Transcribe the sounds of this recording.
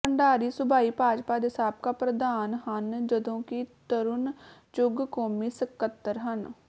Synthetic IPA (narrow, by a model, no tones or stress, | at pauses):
əɳɖaːɾiːsʊbaːiːpaːd͡ʒpaːd̪eːsaːb̚kaːpɾəd̪aːnɦənd͡ʒəd̪õːkit̪əɾʊnt͡ʃʊɡkoːmiːsəkət̪ːəɾɦən